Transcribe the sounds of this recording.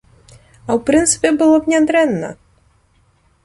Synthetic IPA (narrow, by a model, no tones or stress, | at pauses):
awpɾɨnt̪sɨ̥pʲɛbɨlˠɔbnʲad̪ɾɛnːɐ̰